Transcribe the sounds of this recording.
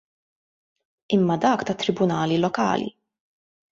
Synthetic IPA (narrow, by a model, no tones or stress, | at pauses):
ɪmːɐd̪ɐːkt̪ɐt̪ːɾɪbʊnɐːlilɔkɐ̰ːlḭ